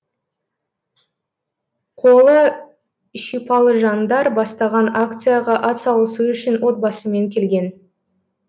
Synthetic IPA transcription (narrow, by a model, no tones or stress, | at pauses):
qʰo̞lˠə | ʃijpɑlˠəʒɑnd̪ɑɾbɑst̪ɑʁɑnak̚t̪sɨjaʁɑʔɑt̪sɑwlˠəsuʏʃɪnwo̞t̪̚bɑsəme̞ŋkʲʰe̞lɡʲe̞n